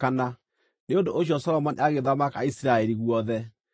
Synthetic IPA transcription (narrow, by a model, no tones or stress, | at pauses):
kana | neondoʔoɕ̬jɔsɔɾɔmɔnḛaɣeðamakaisiɾaɛɾiɣwɔðɛ